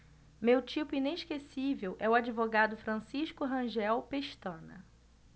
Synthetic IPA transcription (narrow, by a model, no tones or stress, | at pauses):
mewt͡ʃipʊineʃkesivewʔɛʊad͡ʒivoɡad̪ʊfɾɐ̃siʃkʊɦɐ̃ʒɛwpeʃt̪ɐ̃nɐ̰